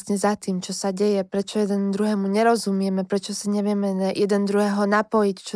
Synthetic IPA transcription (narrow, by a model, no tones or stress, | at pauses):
sɲɛzat̪iːmt͡ʃɔsaɟɛjɛpɾɛt͡ʃɔjɛd̪ɛnd̪ɾuɦɛːmuɲɛɾɔzumɪɛmɛpɾɛt͡ʃɔsiɲɛʋɪɛmɛjɛd̪ɛnd̪ɾuɦɛːɦɔnapɔjict͡ʃɔ